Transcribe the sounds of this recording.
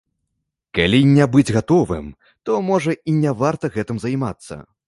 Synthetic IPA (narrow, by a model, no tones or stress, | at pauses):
kalʲinʲɛbɨd͡zʲɣat̪ɔvɨ̰m | t̪ɔmɔʐɐinʲɛvart̪ɐɣɛt̪ɨmzajmat̪sːɐ̰